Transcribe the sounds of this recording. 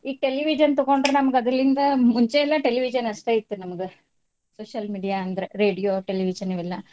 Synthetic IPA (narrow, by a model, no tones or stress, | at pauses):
iːʈe̞liʋid͡ʒɐnt̪uɣoɳɖɾenɐmɐɡɐd̪ɐlind̪ɐmuɲt͡ʃeːlːɐʈeliʋid͡ʒɐnɐʂʈeit̪ːunɐmɐɡɨ | soːʃɐlmiːɖijaɐnd̪ɐɾeɾe̞ːɖijoːʈeliʋid͡ʒɐniʋilːɐ